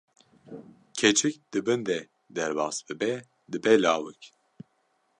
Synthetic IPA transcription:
cʰɛt͡ʃʰɨkd̪̥ɨbɨnd̪ɛ | d̪ɛɾbɑːsbɨbɛ | d̪ɨbɛlaːwɨk

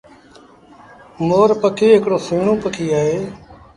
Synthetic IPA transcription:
moːɾpəkʰeːɦɪkɽoːseːɳõːpəkʰiːaːɦeː

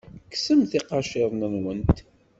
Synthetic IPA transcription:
ksəmθiqɑʃeðˤnənwənt̪

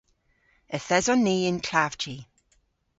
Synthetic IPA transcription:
əθɛzɔnːiːɪnkʰlav̥t͡ʃi

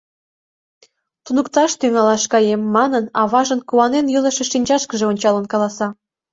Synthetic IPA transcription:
t̪unukt̪ɑʃt̪yŋɑlɑʃkɑjemːɑnənɑβɑʒənkuɑnenjələ̆ʃeʃinʲt͡ɕɑʃkəʒeonʲt͡ɕɑlənkɑlɑsɑ

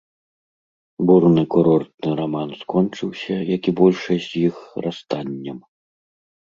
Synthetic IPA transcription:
burnɨkuɾɔrt̪̚nɨɾamanskɔnt͡ʂɨwsʲɐjakʲibɔlʲʂɐzʲjixrast̪anʲːɐm

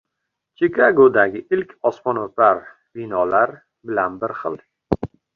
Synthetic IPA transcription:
t͡ʃʰekʰaɡod̪aɡʲɪɪlkʲɒsmɒnɒt̪aɾ | b̥ɪnɒlaɾ | bɪlanbɪɾχɨ̰lˠ

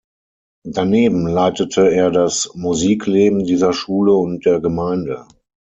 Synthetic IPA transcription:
daneːbm̩laɪtətʰəeːɐdasmuziːkʰleːbm̩diːzɐʃuːləʊnt̚d̥eːɐɡəmaɪndə

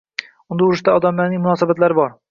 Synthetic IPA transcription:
ʊnd̪aʊɾɪʃt̪aɒd̪amlaɾnɪŋmʊnɒsabat̪laɾɪbɒɾ

